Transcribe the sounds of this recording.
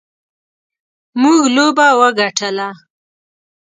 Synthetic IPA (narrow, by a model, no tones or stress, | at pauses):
muɡlobawəɡaʈʰəla